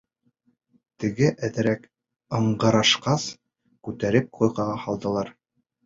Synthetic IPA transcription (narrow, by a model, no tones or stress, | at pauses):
t̪ɘ̆ɡɘʔæðɘ̆ɾæk | ɤ̆ɴɢɤ̆ɾɑʃqɑs | kʉt̪æɾɘp̚qʰujʁɑʁɑhɑlˠd̪ɤ̆lˠɑɾ